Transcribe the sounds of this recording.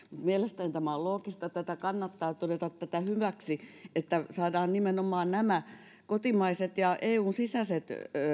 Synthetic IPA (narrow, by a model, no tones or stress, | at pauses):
mut̪mielest̪ænit̪æmæolloːkist̪ɑt̪æt̪ækɑnːɑt̪ːɑːt̪odet̪ɑt̪tæt̪æhyʋæksiet̪ːæsɑːdɑːnnimenomˑɑːnnæmæ | kot̪imɑiset̪jɑʔeːuːnsisæset̪